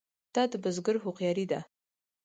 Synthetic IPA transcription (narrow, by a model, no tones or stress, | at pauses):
d̥adbɨzɡɨrħʷuqjaɾida